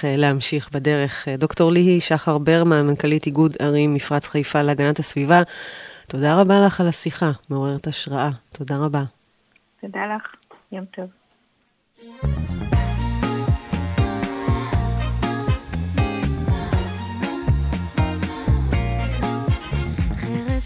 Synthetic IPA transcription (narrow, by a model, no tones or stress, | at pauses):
leamʃiχbade̞ʁe̞χdo̞kto̞ʁlihiʃaχaʁbeʁmaamankalitiɡudaʁimːifʁat͡sχajfaleaɡanathasvivato̞daʁabalaχalhasiχameoʁe̞ʁetaʃʁaatʰo̞daʁaba | t̪od̪alaχjomt̪ov